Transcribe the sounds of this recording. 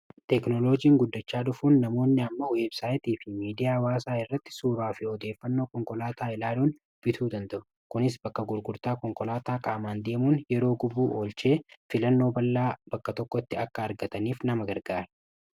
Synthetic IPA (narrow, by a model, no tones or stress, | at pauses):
t̪ɛknɔlo̞ːd͡ʒiːŋɡʊd̪ːɐt͡ʃːaːᶑʊfuːnːɐmo̞ːnːɪɐmːɐweːbsaːjɪt̪iːfɪmiːd̪ɪjaːwaːsaːɪrːɐt̪ːɪ̥suːɾaːfɪɔd̪e̞ːfːɐnːo̞ːkɔŋkɔlaːt̪ʰaːɪlaːluːn | b̥ɪt̪ʰuːd̪ɐnt̪ɐʔʊ̥ | kʊnɪs̬bɐkːɐɡʊɾɡʊɾt̪aːkɔŋkɔlaːt̪aːkʼaːmaːnd̪e̞ːmuːnjɛɾo̞ːɡʊbuːʔo̞ːlt͡ʃe̞ːfɪlɐnːo̞ːbɐlːaːb̥ɐkːɐt̪ɔkːɔt̪ːɪɐkːɐːɾɡɐt̪ɐniːfnɐmɐɡɐɾɡaːɾɛ̥